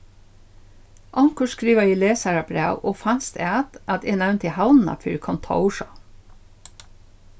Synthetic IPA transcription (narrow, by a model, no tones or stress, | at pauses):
ʔɑŋkəʃkɾiːʋɑiːleːsəɾɑbɾḛːʋʔoːfænst̪ḛæt̪ʔɑt̪eːnæʋnt̪iːhɑlnn̩ɑ̰fy̰ːɾkʰɑnt̪ʰɑ̰ʊʃɑ